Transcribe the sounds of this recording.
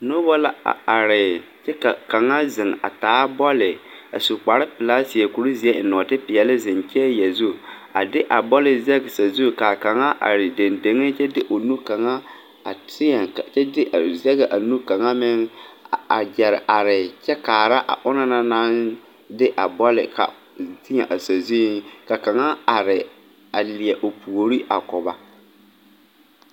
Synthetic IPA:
no˦bɔ˦la˦˨a˨ɾɪ˨ | t͡ʃɛ˦ka˨ka˨ŋa˦zɪ˨ŋa̰˨taː˨˦bɔ˦lɪ˨ | a˨su˨k͡pa˨ɾɪ˦pɪ˨la˦si˨ɛ˨ku˨ɾu˦zi˨˦ɛ˦˨nɔ˨tɪ˦pɪ˨jɛ˨lɪ˦zɪ˨nt͡ʃɛ˦jɛ˨zu˦ | a˨dɪ˦ʔa˨bɔ˦lɪ˦zɛ˦ɡɪ˨sa˨zu˦ka˨ka˨ŋa˦ʔa̰˨ɾɪ˨de˨nde˨ŋɪ˦t͡ʃɛ˦dɪ˦ʔo˨nu˦ka˨ŋa˦ | a˨tɪ˦ɛ˨a˨t͡ʃɛ˦dɪ˦ʔa˨zɛ˦ɣɪ˨ʔa˨nu˦ka˨ŋa˦mɪ˦ŋ˦a˨d͡ʒɛ˨ɾɪ˨ʔa˨ɾɪ˨t͡ʃɛ˦kaː˨ɾa˦ʔa̰˨ʔʊ˦na˦na˦naː˦n | dɪ˦ʔa˨bɔ˦lɪ̰˨ka̰˨ | tɪ˦ɲa̰˨ʔa˨sa˨zu˦ka˨ka˨ŋa˦a˨ɾɪ˨ | a˨li˨ɛ˨ʔo˨pu˨o˨ɾi˦ʔa˨kʊ˨ba˦

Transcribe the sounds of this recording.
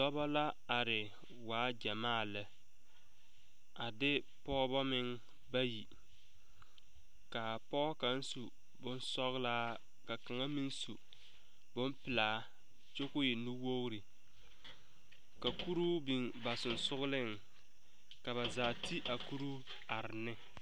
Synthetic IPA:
dɔ˦bɔ˦la˦ | a˨ɾɪ˨ | waː˨˦d͡ʒa˨maː˦˨lɨ˦ | a˨dɪ˦ | pɔ˦bɔ˦mɪ˦ŋ | ba˦ji˨ | ka˨pɔː˦ka˦n˦su˨ | bʊ˦n˦sɔ˦ɣlaː˦ | ka˨ka˨ŋa˦mi˦ŋsu˨ | bʊ˦mpɪ˨laː˨˦ | t͡ʃo˦kʊ˦jɪ˨nu˦wo˦ɣɾi˨ | ka˨ku˦ɾu˦bi˨ŋba˨sʊ˨n˨sʊ˦ɣʊ˦lɪ˦ŋ | ka˨βa˨zaː˨ti˦ʔa˨ku˦ɾu˦ | a˨ɾɪ˨nɪ˦

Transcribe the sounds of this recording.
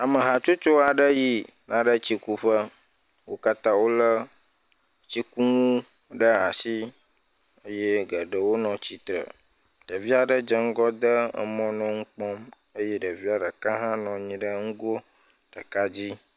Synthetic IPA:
a˨mə˨ɦa˨t͡ʃo˦t͡ʃo˦a˨ɖə˦ji˦ | nʔã˨ɖə˦t͡ɕi˦ku˦ɸə˦ | wo˦ka˦t̪ã˦wo˦lə˦ | t͡ɕi˦ku˦ŋũ˦ | ɖə˦a˨si˦ | ə˦je˦ɡə˨ɖə˨wo˦nɔ̃˨t͡ɕi˨t̪ɾə̰˨ | ɖ̥ə˨vi˦a˨ɖə˨d͡ʒə˦ŋ̩˦ɡɔ˦d̪ə˦ə̰˨mɔ̃˦nɔ̃˦ŋ̩˦k͡pɔ˦m | ə˦je˦ɖə˨vi˦a˨ɖə˨kã˦ɦã˦nɔ̃˨ɲĩ˨ɖə˦ŋ̩˦ɡo˦ | ɖə˨ka˦d͡ʑi˦

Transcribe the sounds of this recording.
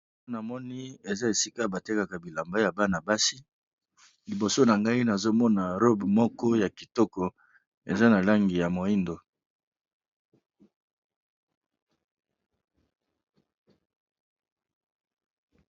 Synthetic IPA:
na˨mɔ˦ni˦e˨za˦e˨si˦ka˦ba˨te˦ka˨ka˨bi˨la˨mba˦ja˨ba˦na˨ba˦si˦ | li˨bo˨so˦na˨ŋɡa˦i˦na˨zo˦mɔ˦na˨ɾo˦bmɔ˦kɔ˦ja˨ki˨tɔ˦kɔ˨ | e˨za˦na˨la˦ŋɡi˨ja˨mo˨i˦ndo˨

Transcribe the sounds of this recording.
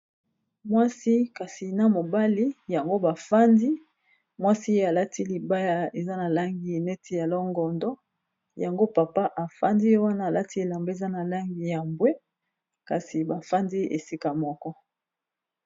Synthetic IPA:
mwa˦si˦ka˨si˨na˨mo˨ba˦li˦ja˨ŋɡo˦ba˨fa˦ndi˦ | mwa˦si˦je˦a˨la˦ti˦li˨ba˦ja˦e˨za˦na˨la˦ŋɡi˨˦˨ne˦tʰi˦ja˨lɔ˦ŋɡɔ˨ndɔ˦ | ja˨ŋɡo˦pa˨pa˦ʔa˨fa˦ndi˦jo˦wa˦naː˦˨la˦ti˦e˨la˨mbe˦e˨za˦na˨la˦ŋɡi˨ja˨mbwe˦ | ka˨si˨ba˨fa˦ndi˦ʔe˨si˦ka˨mɔ˦kɔ˦

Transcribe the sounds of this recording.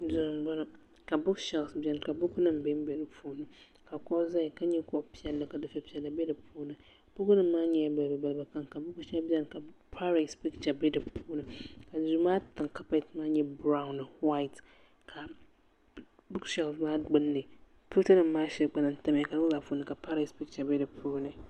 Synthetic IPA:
zʊ˨ɾɨ˨mɡ͡ba˦la˦ | ka˨bʊ˦kʃɛ˨lsbɛ˦n˨ka˨bʊ˦knɨ˦˨m˨be˦m˦bɛ˨nɨ˦puː˦nɨ˦ | ka˨kɔ˦ʔza˦ɪ˨ka˦ɲɛ˦kɔ˦ʔpi˦ɛ˦lːɨ˨ka˨dɨ˦fɛ˦pi˦ɛ˨lːɨ˨bɛ˦dɨ˨pʰuː˦nɨ˨ | b̥ʊ˦kʊ˦nɨ˦m̩ːaː˦ɲɛ˦a˦ba˨lba˨ba˨lba˨ka˨ŋka˨bʊ˦kʃɛ˦lbɛ˦n˨ka˨pa˦ɾe˨spi˦kt͡ʃa˨bɛ˦dɨ˨pʰuː˦nɨ˨˦ka˨zu˦maː˦tɨ˨ŋka˦pa˦˨tmaː˦ɲɛ˦bɾa˦ʊ˦n˨wa˦i˨t | kʰa˨ | bu˦kʃɛ˨lmaː˦ɡ͡bɨ˦nːɨ˨ | pu˦tɨ˦nɨ˨m̩ː˦aː˦ʃɛ˦ɡ͡ba˦na˨n̩˦ta˦m˨ɛ˨ka˨dɨ˦za˨pu˦nɨ˨ka˨paː˦ɾa˨spi˦k̚t͡ʃa˨bɛ˦dɨ˨pʰuː˦nɨ˨

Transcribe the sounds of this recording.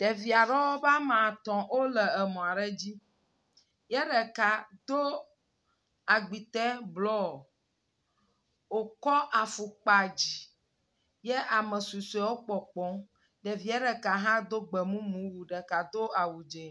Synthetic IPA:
ɖ̥e˨vi˨a˨ɖɔ˦wɔ˦ba˦mã˨t̪ɔ̃˨wo˦lɛ˨ɛ˨mɔ̃˨a˨ɖɛ˦d͡ʑi˦ | jɛ˦ɖɛ˨ka˨d̪o˦ | a˨ɡ͡bi˨t̪ɛ˦blɔ˦˨ | wo˨kɔ˦ʔa˨fu˨k͡pa˨d͡ʑi˨ | jɛ˦ʔa˨mɛ˨su˨su˨˦ɛ˨˦wo˦k͡pɔ˨k͡pɔ̃˨˦ | ɖe˨vi˨ɛ˦ɖɛ˨ka˨ɦã˦d̪o˦ɡ͡bɛ˨mũ˦mũ˦wu˨ɖɛ˨ka˨d̪o˦a˨wu˨d͡ʒe˨

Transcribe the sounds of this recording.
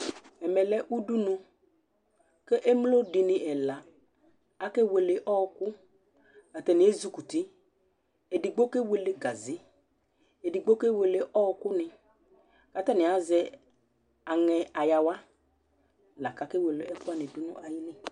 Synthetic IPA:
ɛ˨mɛ˨lɛ˦ʔu˦du˦nʊ˦ | ke˦ʔe˦mlo˦dɪ˨nɪ˨ʔɛ˨la˨ | a˦ke˦we˨le˨ʔɔ˦˧kʊ˦ | a˨tɛ˨nɪ˨˦e˦zu˦ku˨ti˦ | e˨di˨ɡ͡bo˦ke˦we˨le˦ɡa˨zɪ˦ | e˨di˨ɡ͡bo˦ke˦we˨le˨ʔɔ˦˧kʊ˦nɪ̃˨ | ka˨tɛ˦nɪ˨a˨zɛ˦ | a˨ŋɛ˨a˨ja˨wa˦ | la˨ka˨ke˦we˨le˨ɛ˦kʊ˦a˦˨nɪ̃˨du˦nʊ̰˦ʔa˨jɪ˦nɪ˦

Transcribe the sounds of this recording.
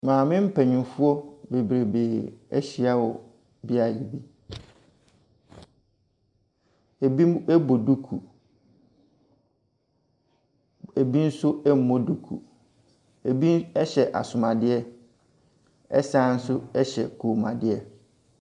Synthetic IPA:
mãː˨mɪ̃˦m̩˦pʰɛ˨ɲũ˨fu˦ɔ˦be˨bɾe˨be˨æ̰˦ɕi˨a˦wɔ˨ | bi˦a˨ji˨bi˦ | e˨bi˦ɛ˦bo˨du˦kʰu˨ | e˨bi˦n̩˦sʊ˦ɛ˦m̩˦mɔ̃˦du˦kʰṵ˨ | e˨bi˦ɛ˦ɕɛ˨ʔa̰˨sʊ˨mã˨dɪ˦ɛ˦ | ɛ̰˦sã˦n̩˦sʊ˦ɛ˦ɕɛ̰˨kʰoː˨mã̰˨dɪ˦ɛ˦

